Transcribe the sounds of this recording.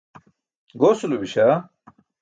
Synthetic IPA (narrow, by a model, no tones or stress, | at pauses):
ɡoːsulubiɕa